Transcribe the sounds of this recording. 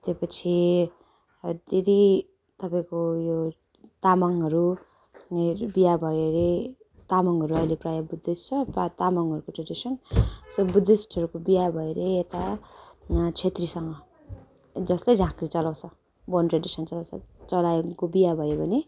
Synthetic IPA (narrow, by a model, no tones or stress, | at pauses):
t̪epʌt͡sʰi | d̪ed̪i | t̪ʌpaĩkojo | t̪amaŋɦʌɾu | bijabʱʌeɾe | t̪amaŋɦʌɾuʌjleprajabud̪ːest͡sʰʌpat̪amaŋɦʌɾukoʈreɖisʌnsobud̪esʈʰʌɾukobijabʱʌeɾeːt̪a | t͡sʰet̪risʌŋɡʌ | d͡zʌslajd͡zʱãkrit͡sʌlaw̃t͡sʰʌ | bʌnʈreɖisʌnt͡sʌlãw̃t͡sʰʌ̰t͡sʌlakobijabʱʌjobʱʌne